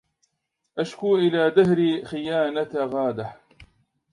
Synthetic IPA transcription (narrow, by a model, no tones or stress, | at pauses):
ʔaʃkuːʔɪlaːd̪aɦɾixɪjaːnat̪ɣaːd̪aħ